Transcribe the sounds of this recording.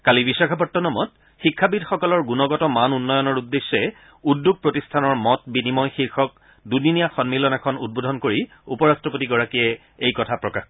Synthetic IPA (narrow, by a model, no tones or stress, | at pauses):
kalibisɔkʰapɔtːɔnɔmɔt̚ | xikʰːabidxɔkɔlɔɹɡunɔɡɔtɔmanunːɔjɔnɔɹudːesːɛ | udːuɡ̚pɹotistʰanɔɹmɔt̚binimɔjxiɹxʰɔk̚ | duninijaxɔnmilɔnakʰɔnṵd̚bodʱɔnkoɹi | upɔɹastɹɔpotiɡɔɹakiɛ | ejkɔtʰapɹɔkax